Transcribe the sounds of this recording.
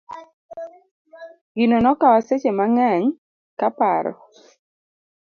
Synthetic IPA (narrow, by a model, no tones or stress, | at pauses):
ɡinonɔkawaset͡ʃemaŋaɲ | kapaɾɔ̰